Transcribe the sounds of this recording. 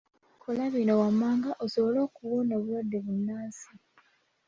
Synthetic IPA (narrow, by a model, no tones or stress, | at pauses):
kʰolaβino̞wamːaːŋɡaʔosoβo̞lo̞ːkuwono̞ːβulwadːe̞βunːaːsi